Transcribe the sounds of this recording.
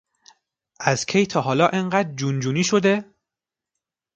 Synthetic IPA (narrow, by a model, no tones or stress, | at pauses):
ʔæz̥kʰejt̪ʰɒːɦɒːlɒːʔeŋɢæːd̪ɾd͡ʒund͡ʒuːniːʃo̞d̪e̞